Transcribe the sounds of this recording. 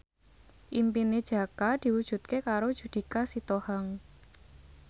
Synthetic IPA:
ʔimpined̥ʒ̥ä̤kad̪̥i̤wud̥ʒ̥ṳt̪̚kekaɾod̥ʒ̥ṳd̪̥i̤kasit̪ohaŋ

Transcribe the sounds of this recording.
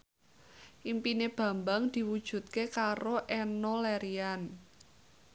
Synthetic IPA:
ʔimpineb̥ä̤mbaŋd̪̥i̤wud̥ʒ̥ṳt̪̚kekaɾoʔɛnolɛɾian

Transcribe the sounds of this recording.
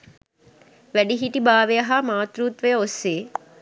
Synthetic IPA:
ʋæɖiɦiʈibaːʋejɐɦamaːt̪ɾuːt̪ʋəjəosːeː

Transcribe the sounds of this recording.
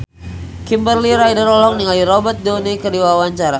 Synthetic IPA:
kimbərliɾajdəɾɔlɔŋniŋaliɾɔbərt̪̚donikədiwawaɲt͡ʃaɾa

